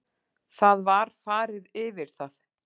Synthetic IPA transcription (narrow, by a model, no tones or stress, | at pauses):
θaðvaɾ̥faːɾɪðɪvɪɾ̥θaθ